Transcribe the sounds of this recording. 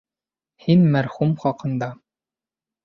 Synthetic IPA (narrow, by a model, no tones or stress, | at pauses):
hinmæɾχumχɑqɤ̆nd̪ɑ